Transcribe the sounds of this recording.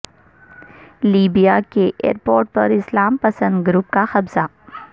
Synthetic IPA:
liːbijakeʔḛːɾpoːɾʈ̚pɐɾɪslaːmpɐsə̃nd̪ɡʊɾuːp̚kaxɐbza

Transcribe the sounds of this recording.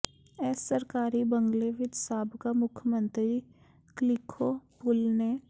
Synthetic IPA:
ɛːsəɾkaːɾibə̃ŋɡleʋɪt̪saːbʱkamʊkʰjəmə̃nt̪ɾi | klɪkʰopʊlne

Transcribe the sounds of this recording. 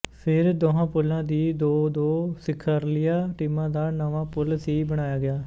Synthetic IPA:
pʰɪɾd̪oɦãːpʊlãːd̪iːd̪oːd̪oːsɪkʰːəɾlɪjaːʈiːmãːd̪aːnəʋãːpʊlsiːbəɽ̃aːjaːɡɪaː

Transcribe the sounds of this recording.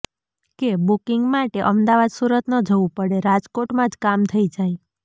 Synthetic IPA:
kebukɪŋɡmaʈeʔəmd̪aʋad̪suɾət̪nəd͡ʒʱəʋũpəɽeɾad͡ʒkoʈmãd͡ʒkamt̪ʰəid͡ʒaj

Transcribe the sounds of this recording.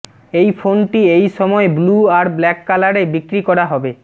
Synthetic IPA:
ejfʰonʈiejʃɔmɔebluaɾblɛkːalaɾebikɾikɔɾaɦɔbe

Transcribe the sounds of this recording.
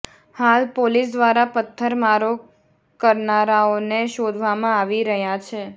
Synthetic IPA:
halpolisd̪ʋaɾapət̪ʰːəɾmaɾo | kəɾnaɾaoneʃod̪ʱʋamãaʋiɾəɦjat͡ʃʰe

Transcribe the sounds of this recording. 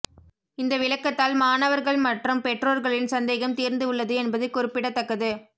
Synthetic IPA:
ɪnd̪ɐʋɪɭɐkːɐt̪ːaːlmaːnɐʋɐɾɣɐɭmɐʈrɯmpɛʈroːɾɣɐɭɪnsɐnd̪eːɣɐmt̪iːɾnd̪ɯɯɭːɐðɯɛnbɐðɯkʊɾɪpːɪɽɐt̪ːɐkːɐðɯ

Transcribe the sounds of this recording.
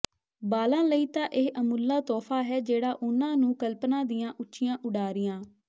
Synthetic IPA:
baːlãːləiːt̪ãːʔeːʔəmʊlːaːt̪ɔːpʰaːɦɛːd͡ʒeːɽaːʔʊnãːnũːkəlpnãːd̪ɪjãːʔʊtːʃʰɪjãːʔʊɽaːɾɪjãː

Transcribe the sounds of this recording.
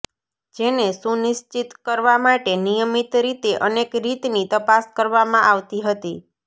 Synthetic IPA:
d͡ʒenesunɪʃt͡ʃit̪kəɾʋamaʈenijəmit̪ɾit̪eʔənekɾit̪nit̪əpaskəɾʋamãʔaʋt̪iɦət̪i

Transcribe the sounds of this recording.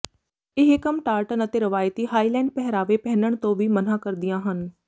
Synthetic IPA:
ɪɦekəmʈaːɾʈənət̪eːɾɪʋaːjt̪iːɦaːiːlɛ̃ːɳɖ̚pɛɦɾaːʋeːpɛːnəɳt̪õːʋiːmənãːkəɾd̪ɪjãːɦən

